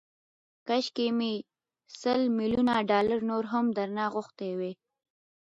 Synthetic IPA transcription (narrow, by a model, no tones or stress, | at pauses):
kaʃkemi | səlmiljunaɖɑlaɾnoɾɦamd̪aɾnɑɣʊxt̪ewe